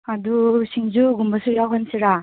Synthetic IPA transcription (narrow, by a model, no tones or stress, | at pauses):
adusʰiŋzuɡumbɐsujawɦansiɾa